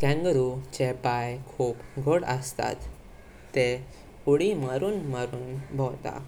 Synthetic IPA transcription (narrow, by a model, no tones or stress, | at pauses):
kɛ̃ŋɡəɾut͡ɕepajkʰuːpɡʱəɽəst̪a̰t̪ː | e | uɽimaɾuːnmaɾuːnbʱɔwt̪a̰